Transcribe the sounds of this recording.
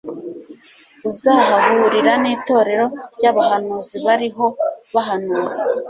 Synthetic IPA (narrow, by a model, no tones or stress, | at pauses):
uzahahuɾiɾaniːto̞ːɾe̞ɾo̞ɾɟaβahanuːziβaɾiɦo̞βaɦanuːɾa